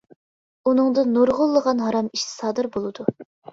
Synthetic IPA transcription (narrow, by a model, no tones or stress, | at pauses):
unɨŋd̪ɨnoɾʁʊlˠːəʁɑnɦɑɾɑmiʃɪ̥sɑːd̪ɨɾbolˠɨd̪u